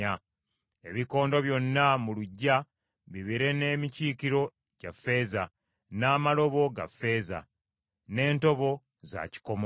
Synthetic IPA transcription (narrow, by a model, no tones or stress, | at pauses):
a | e̞βiko̞ːndo̞βjo̞nːamuluɟːa | βiβiɾe̞ne̞ːmiciːkiɾo̞ | ɟafːe̞ːza | naːmalo̞βo̞ɡa̰fːe̞ːza̰ | ne̞ːnto̞βo̞ | za̰ci̥ko̞m